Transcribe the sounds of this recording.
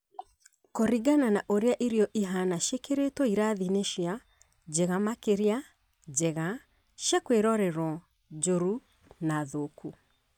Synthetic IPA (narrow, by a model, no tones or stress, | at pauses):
koɾiɡananaʔoɾeaʔiɾiɔʔiɦanaʃekeɾetwɔiɾaðineʃja | d͡ʒɛɣamakeɾia | d͡ʒɛɣa | ʃakweɾɔɾɛɾwɔ | d͡ʒoɾu | naðoku